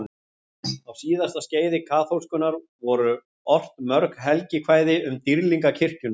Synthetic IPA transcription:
awsiːðast̪asceːjðɪkʰaːθowskʏnaɾ | vɔɾʏ | ɔr̥t̪mœɾkɦɛlcɪkʰvaːjðɪʏmt̪iɾliŋkacʰɪr̥cʏn

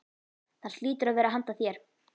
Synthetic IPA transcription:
θanst̪liːt̪ʏɾaðvɛːɾaɦant̪aθjɛɾ̥

